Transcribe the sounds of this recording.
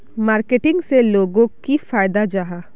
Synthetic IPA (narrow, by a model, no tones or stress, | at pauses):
maːɾkeʈɪ̃ŋɡseloːɡõkifaːjd̪ad͡ʒaɦaː